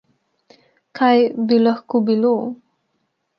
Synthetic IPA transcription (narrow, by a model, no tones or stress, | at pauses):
kʰajbilaxkobilo